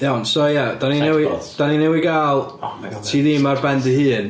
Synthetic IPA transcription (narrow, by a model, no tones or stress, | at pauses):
ɛwnsojad̥aninɛwid̥aninɛwiɡaːlˠtʰiːðiːmarbɛndɨhɨːn